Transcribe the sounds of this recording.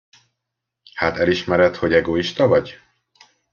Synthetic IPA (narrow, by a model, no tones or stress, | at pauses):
haːt̪ɛliʃmɛɾɛt̪ho̞ɟɛɡoiʃt̪ɒvɒɟ